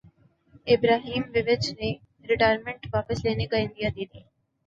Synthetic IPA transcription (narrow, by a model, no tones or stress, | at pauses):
ɪbɾaːɦiːmʋɪʋɪt͡ʃne | ɾɪʈaːjɾmẽɳʈʋaːpəsleːnekaɪ̃nd̪ijaːd̪iːd̪iː